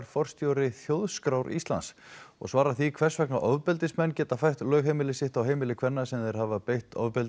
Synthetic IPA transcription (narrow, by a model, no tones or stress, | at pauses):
ɾfɔr̥st̪jowɾɪθjowðskɾawɾʔḭst̪la̰nsɔ̰ɣsvaːɾaθikʰv̥ɛr̥svɛknaʔɔvpɪlt̪ɪsmɛnːcɛːt̪afajht̪lœːɣɦejmɪlɪsɪht̪awɦejmɪlɪkʰv̥ɛnːasɛmðɛɾ̥havapejht̪ʰɔ̰vpɪlt̪